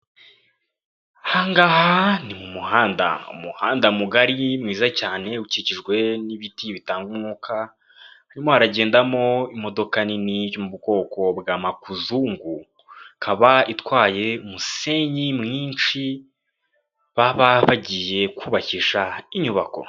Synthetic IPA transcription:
haŋɡahanimumuhaːnda̰ṵmuhaːndamuɡaɾimŋwiːzacaːne̞uciciʒɡwe̞niβitiβitaːŋɡunukʰa | haɾimo̞haɾaɟe̞ːndamo̞imo̞do̞kaninijomuβuɡo̞ːko̞bɡaːmakuzuːŋɡu | kʰaβaitwaːje̞muse̞ɲimŋiːnt͡ʃi | βaβaβaɟije̞kuːβaciʃaiɲuβako̞̰

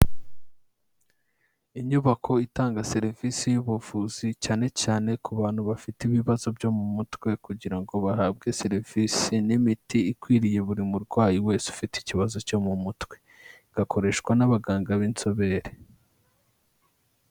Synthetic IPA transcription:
iɲuβakʰo̞itaːŋɡase̞ɾivisijuβuvuzicaːne̞caːne̞kʰuβaːn̥huβafitiβiβazo̞bjo̞mumutwe̞kuɟiɾaŋɡo̞βahaːb̚ɡe̞se̞ɾiv̥isinimitiːkwiːɾije̞βuɾimuɾɡwaːjiwe̞ːsu̥fiti̥ciβazo̞co̞mumutwe̞̥ | ɡ̥akʰo̞ɾe̞ʃkwanaβaɡaːŋɡaβint͡so̞βe̞ːɾe

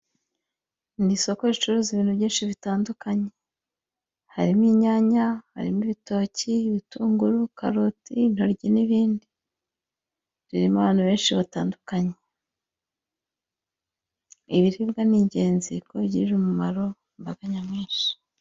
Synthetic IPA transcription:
ndiso̞koɾit͡ʃuɾuziβiːnhuβɟiːnʃiβitaːndukaɲe | haɾimiɲaɲaha̰ɾḭmiβito̞ːciβituːŋɡuɾuka̰ɾutin̥hoɾɟiniβiːndi | ɾiɾimaβaːn̥huβe̞ːnʃiβataːndukaɲe | iβiɾibɡaniːɲɟe̞ːnzikʰoβɟiɾiɾumumaɾo̞ | mbaɡ̥aɲamŋiːnʃi̥

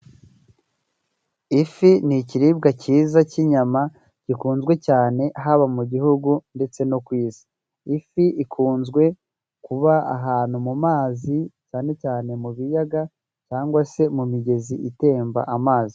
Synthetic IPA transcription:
ifiniciɾib̚ɡaciːzaciɲama | cikuːnzɡwe̞caːne̞ɦaβamuɟihuɡunde̞t͡se̞no̞kwiːzi̥ | ifiikʰuːnzɡwe̞ | kuβaaɦaːnumumaːzicaːne̞caːne̞muβijaɡa | caːŋɡwase̞mumiɟe̞ziʔite̞ːmba̰ʔamaːzi

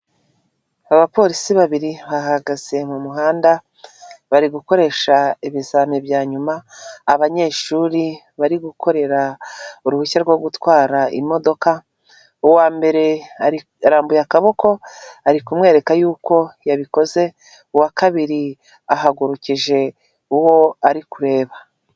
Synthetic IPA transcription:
aβapo̞ɾisiβaβiɾiβaɦaɡaz̥e̞mumuɦaːnda | βaɾiɡuko̞ɾe̞ːʃaiβizanebjaːɲumaːβaɲe̞ːʃuɾi | βaɾiɡuko̞ɾe̞ɾauɾuhucaɾɡwo̞ɡutwaːɾaḭmo̞do̞ka | uwaːmbe̞ɾe̞ai | aɾaːmbujakaβo̞ko̞aɾikumŋe̞ːɾe̞kajuːko̞jaβiko̞ze̞ | uwakaβiɾi | aɦaɡuɾuciʒe̞ | uwo̞aɾikuɾe̞ːβa

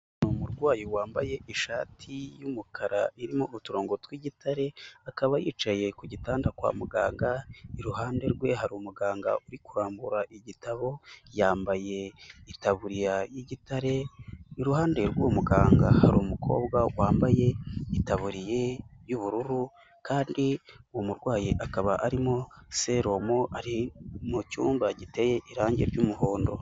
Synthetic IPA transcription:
numuɾɡwaːjowaːmbaje̞iʃaːtʰijumukʰaɾaiɾimoutuɾo̞ːŋɡotwiɟitʰaɾe̞akaβajiːt͡ʃaje̞kuɟitaːndakwa̰ːmuɡa̰ːŋɡaiɾuɦaːnde̞ɾɡwe̞ɦaɾumuɡaːŋɡa̰uɾikuɾaːmbuɾaʔiɟitaβo̞jaːmbaje̞itaβuɾiɾajiɟitaɾe̞iɾuhaːnde̞ɾɡwomuɡaːŋɡahaɾomukʰo̞̰ːbɡawaːmbaje̞itaβuɾije̞juβuɾuɾu | kʰaːndiwomuɾɡwaːjiʔakaβaʔaɾimose̞ɾo̞moʔaɾimucṵːmbaɟite̞jeʔiɾaːɲɟeɾɟuːmuho̞ːndo̞̰

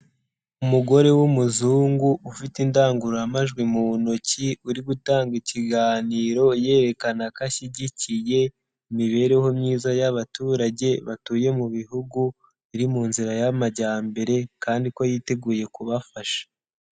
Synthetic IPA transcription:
umuɡo̞ɾe̞wumuzuːŋɡuʔufitindaːŋɡuɾoamaʒɡwimuβunociuɾiɡutaːŋɡiciɡaːniːɾo̞je̞ːɾe̞kanakaʃiɟicije̞ | imiβe̞ɾe̞ho̞mɲiːzajaβatuːɾaɟe̞βatuːje̞muβihuɡu | iɾimuːnziɾajamaɟaːmbe̞ɾe̞kaːndikojiːte̞ɡuːje̞kuβafaʃḁ

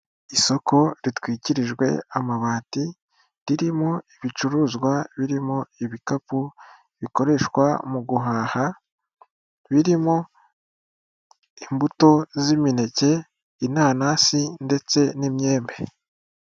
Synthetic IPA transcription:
iso̞ko̞ɾitwiːciɾiʒɡwe̞̰amaβaːti | ɾiɾimoiβit͡ʃuɾuzɡwaβiɾimoiβikapu | βiko̞ɾe̞ʃwa̰muɡuɦaːha | βiɾimo | imbuto̞zimine̞ce̞ | inaːnasinde̞t͡se̞nimɲe̞ːmbe

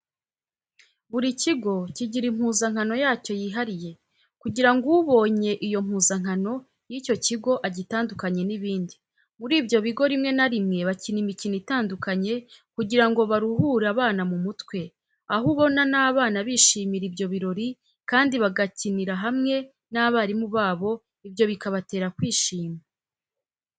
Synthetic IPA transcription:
βuɾiciɡo̞ciɟiɾim̥huːzaŋ̥ano̞jaːco̞jiːɦaɾije̞ | kuɟiɾaŋɡuuβo̞ːɲe̞ʔijo̞m̥huːzaŋ̥ano̞ | jico̞ciɡo̞ʔaɟitaːndukaɲe̞niβiːndi | muɾiːbjo̞βiɡo̞ɾimŋe̞naɾimŋe̞βacinimicinitaːndukaɲe̞kuɟiɾaŋɡo̞βaɾuhuːɾaβaːnamumutkwe̞ | aɦuβo̞nanaːβaːnaβiʃiːmiɾibjo̞βiɾo̞ɾi | kaːndiβaɡaciniɾaɦamŋe̞ | naβaɾimuβaːβo̞ | ibjo̞βikaβate̞ːɾakwiːʃiːma

